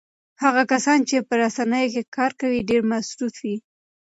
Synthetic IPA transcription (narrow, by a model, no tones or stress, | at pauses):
haɣakasɑnt͡ʃepəɾasanəjokekʰɑɾkawiɖeɾmasɾut̪wi